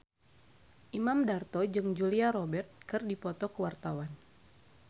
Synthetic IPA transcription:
ʔimamdart̪ɔd͡ʒɨŋd͡ʒuliaɾɔbɛrt̪̚kɨrdipɔt̪ɔkəwart̪awan

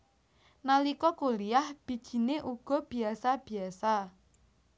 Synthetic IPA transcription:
nalikɔkuliahb̥i̤d̥ʒ̥i̤neʔuɡ̥ɔ̤b̥i̤asab̥i̤asa

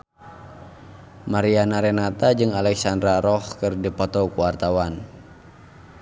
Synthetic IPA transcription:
maɾianaɾɛnat̪ad͡ʒɨŋalɛksandɾaɾɔhkɨrdipɔt̪ɔkuwart̪awan

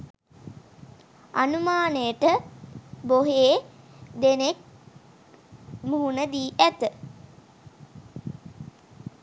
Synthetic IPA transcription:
anumaːnejəʈə | boɦeː | d̪enek̚ | muɦunəd̪iːʔæt̪ə

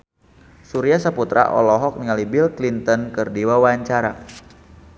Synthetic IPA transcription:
suɾiasaput̪ɾa̰ʔɔ̰lɔɦɔk̚niŋalibilklint̪ɔnkɨrdiwawaɲt͡ʃaɾa̰

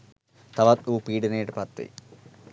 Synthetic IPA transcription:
t̪ɐʋɐt̪uːpiːɖɐneːʈpɐt̪ːḭ

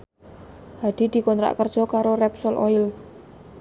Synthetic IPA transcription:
had̪̥i̤d̪̥i̤kɔnt̪ɾa̰ʔkər̥ʒ̥ɔ̤kaɾorɛpsɔlʔɔ̰ɪl

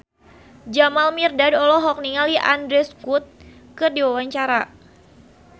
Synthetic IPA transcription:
d͡ʒamalmirdadɔlɔɦɔk̚niŋaliʔa̰ndɾɛskut̪̚kɨrdiwawaɲt͡ʃaɾa

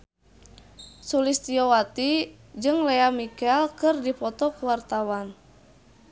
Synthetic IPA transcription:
sulist̪ijɔwat̪i | d͡ʒɨŋlɛamikɛlkɨrdipɔt̪ɔkuwart̪awan

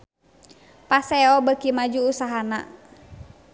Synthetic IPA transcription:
pasɛɔbəkimad͡ʒuusaɦana̰

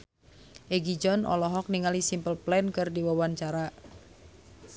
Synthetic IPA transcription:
ʔeɡid͡ʒɔnʔɔ̰lɔɦɔk̚niŋalisimpəlplɛnkɨrdiwawant͡ʃaɾa

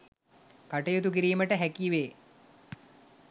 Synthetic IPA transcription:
kaʈejot̪ukiɾiːməʈəɦækiʋeː

